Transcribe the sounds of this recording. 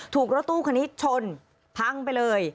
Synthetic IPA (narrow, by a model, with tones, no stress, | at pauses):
t̪ʰuː˨˩k̚ɾo˦˥t̪ːuː˥˩kʰa˧ni˦˥t̪̚t͡ɕʰo˧n | pʰa˦˧˥ŋpa˧jlɤː˧j